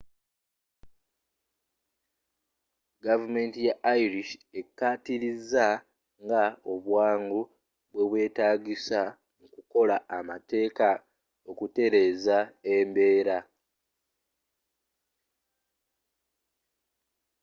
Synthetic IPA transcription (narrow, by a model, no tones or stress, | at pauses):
ɡavume̞ːntijaʔːiɾiʃe̞kːaːtiɾiza | ŋɡao̞βwaːŋɡu | βwe̞βwe̞ːtaːɟisa | mukuko̞laːmate̞ːka | o̞kute̞ɾe̞ːzaembe̞ːɾa